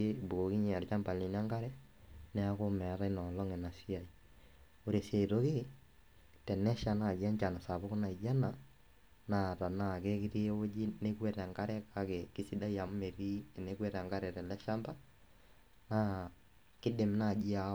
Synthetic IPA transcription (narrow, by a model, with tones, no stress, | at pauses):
e˦bu˨o˨ki˦ɲ˨a˨ɾt͡ʃa˦mba˨li˨n˦a˦ŋɡa˦ɾɛ˦ | nɛ˦a˦ko˦mɛ˨˦ɾa˦i˦nɔ˨lɔ˦ŋɛ˨na˨si˦a˨i˨ | o˨ɾe˨se˨ɾo˦ke˦ | tɛ˨nɛ˦ʃa˨na˨d͡ʒa˦ɲt͡ʃa˨na˨sa˨βo˦ko˦na˨i˨d͡ʒa˦na˨ | na˦˨ta˨na˦˨ke˦ki˦ɾi˦o˦d͡ʒi˦ne˦kwɛ˦ɾɛ˨ŋɡa˦ɾɛ˦ka˦ke˨ki˦si˦da˦i˦a˨m˦me˨ɾi˦e˨ne˦kwɛ˦ɾa˨ŋɡa˦ɾɛ˨tɛ˨lɛ˦ʃa˦mba˦ | na˦ | kɪ˦de˨mna˦˨d͡ʒi˦a˨